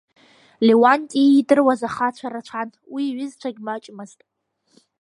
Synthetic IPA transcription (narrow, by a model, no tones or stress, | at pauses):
lewantʼiidɨrwazaχat͡ɕʷʰaɾat͡ʃʷʰantʰʼwiɥɪzt͡ɕʷʰaɡʲmat͡ʃʼmaztʼ